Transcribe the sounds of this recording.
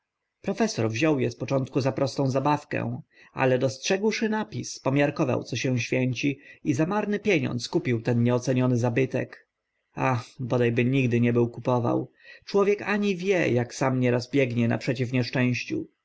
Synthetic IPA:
pɾɔfɛsɔɾvʑɔwjɛspɔt͡ʂɔnt̪̚kuzapɾɔst̪ɔ̃w̃zabafkɛ̰̃w̃ | a̰lɛd̪ɔstʂɛɡwʂɘnapʲispɔmʲjaɾkɔva̰wt̪sɔɕɛ̃w̃ɕfʲjɛɲt͡ɕiizamaɾnɘpʲjeɲɔ̰nt̪skupʲiwt̪ɛnɲɛɔt̪sɛɲɔnɘzabɘt̪ɛ̰k | axbɔd̪ajbɘɲiɡd̪ɘɲɛbɘwkupɔva̰w | t͡ʂwɔvʲjɛkaɲivʲjɛ̰jaksamɲɛɾazbʲjɛɡɲɛna̰pʂɛt͡ɕifɲɛʂt͡ʂɛ̃w̃ɕt͡ɕṵ

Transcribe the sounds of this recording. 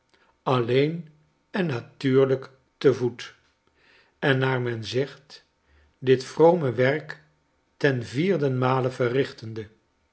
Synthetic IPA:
ɑlejn | ɛnːatyːɹlək | təvut | ɛnːaːɹmɛnzɛχt | dɪtfrowməʋɛrk | tɛnviːɹdənmaːləvərɪχtəndə

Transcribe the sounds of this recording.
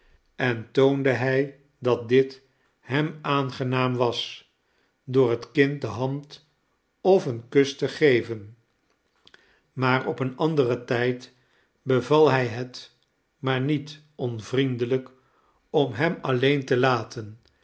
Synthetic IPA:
ɛntowndəɦɛj | dɑt̚dɪt | hɛmaːnχənaːmʋɑs | dʊːɹətkɪnt̚dəɦɑnt | ɔfənkɵstəχejvən | maːrɔpənɑndərətɛjt | bəvɑlˠɦɛjɦət | maːɹnit | ɔnvrindələk | ɔmɦɛmɑlejntəlaːtʰən

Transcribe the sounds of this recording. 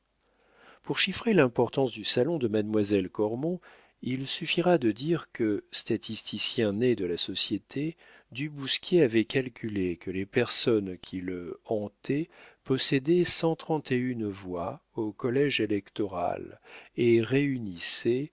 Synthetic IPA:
puʁʃifχelɛ̃pɔʁt̪ɑ̃sd̪ysalɔ̃d̪əmad̪mwazɛlkɔʁmɔ̃ | ilsyfiʁad̪əd̪iʁkəst̪at̪ist̪ʰisjɛ̃ned̪əlasɔsjet̪ʰe | d̪ybuskʲjeavɛkalkʲʰylekəlepɛʁsɔnkʲʰiləɑ̃t̪ɛpɔsed̪ɛsɑ̃t̪χɑ̃t̪eynvwaokɔlɛʒelɛkt̪ɔʁa̰leʁeynisɛ

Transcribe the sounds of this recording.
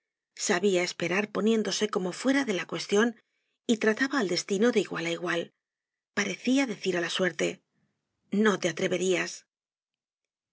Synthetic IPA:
saβiae̞spe̞ɾaɾpo̞nje̞nd̪o̞se̞ko̞mo̞fwe̞ɾaðe̞lakwe̞st̪jo̞n | it̪ɾat̪aβaːld̪e̞st̪ino̞ðeiɣwa̰laiɣwal | paɾe̞θiaðe̞θiɾalaswe̞ɾt̪e̞ | no̞t̪e̞at̪ɾe̞βe̞ɾias

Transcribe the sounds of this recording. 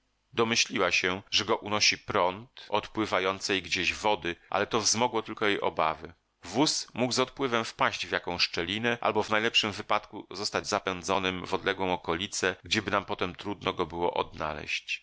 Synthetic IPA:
d̪ɔmɘɕlʲiwaɕɛʐɛɡɔʔunɔɕipɾɔnt̪ɔt̪pwɘvajɔnt̪sɛjɡd͡ʑeʑvɔd̪ɘʔa̰lɛt̪ɔvzmɔɡwɔt̪ɘlkɔjejʔɔ̰bavɘ | vusmuɡzɔt̪̚pwɘvɛmfpaɕd͡ʑvjakɔ̃w̃ʂt͡ʂɛlʲinɛʔa̰lbɔvnajlɛpʂɘmvɘpat̪kuzɔst̪ad͡ʑzapɛnd̪zɔnɘmvɔd̪lɛɡwɔ̃w̃ɔkɔlʲit̪sɛɡd͡ʑɛbɘnampɔt̪ɛmt̪ɾud̪nɔɡɔbɘwɔ̰ʔɔ̰d̪na̰lɛ̰ɕt͡ɕ

